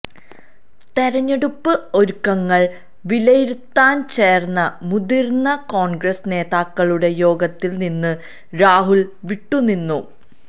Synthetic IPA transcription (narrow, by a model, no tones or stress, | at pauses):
t̪eɾɐɲːe̞ɽupːɨo̞ɾukːɐŋːɐɭ | ʋilɐjiɾut̪ːaːnt͡ɕe̞ːrnːɐmud̪irnɐkoːɳɡrɐsne̞ːðaːkːɐɭuɽe̞jo̞ːɡɐt̪ːilninːɨ | ɾaːɦulʋiʈːuninːu